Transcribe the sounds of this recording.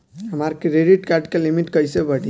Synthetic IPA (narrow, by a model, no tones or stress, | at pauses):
ɦəmaɾkɾeɖiʈkaɾɖkelimiʈkəjsebəɽi